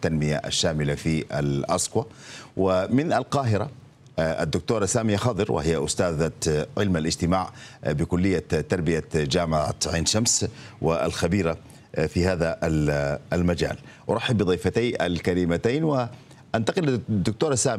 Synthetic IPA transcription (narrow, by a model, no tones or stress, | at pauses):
t̪ːanmɪja̰ʔa̰ʃːaːmɪlafia̰lʔasˤkwawɪmɪnʔalqɑːɦɪɾa̰ | a̰d̪ːʊk̚t̪uːɾˤɑsaːmijaxɑːd̪ˤɨɾwʔɪ̰hɪjːaʔʊst̪aːðaʕɪlmalɪd͡ʒt̪ɪmaːʕbɪkʊlːɪjːat̪ːɑɾˤbɪjad͡ʒaːmaʕa̰t̪ʕiːnʃamswɪʔa̰lxabiːɾa | fihaːðaʔ | lmad͡ʒa̰ːl | wɾˤɑħːɪbːɨd̪ˤiːfat̪aːʔa̰lkalɪmat̪aːnwɪ | ʔant̪ɑqɪld̪ːʊk̚t̪uːɾˤɑsaːm